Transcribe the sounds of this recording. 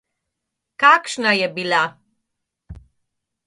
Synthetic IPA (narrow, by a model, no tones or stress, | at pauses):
kakʃnajɛbila